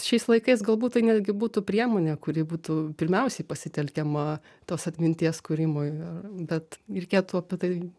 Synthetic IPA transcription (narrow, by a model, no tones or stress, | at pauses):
ʃʲɛɪslˠɐɪkɐɪsɡɐlˠbuːt̪t̪ɐɪnʲæd̪ʲɡʲɪbuːt̪upʲɾʲiɛmoːnʲɛkʊɾʲɪbuːt̪uːpʲɪɾʲmʲɛʊsʲɛɪpɐsʲɪt̪ʲɛlʲkʲɛmɐ | t̪oːsɐt̪ʲmʲɪnʲt̪ʲiɛskʊɾʲɪmoːɪɐrbʲɛt̪ɾʲɛɪkʲeːt̪ʊɐpʲɪt̪ɐɪ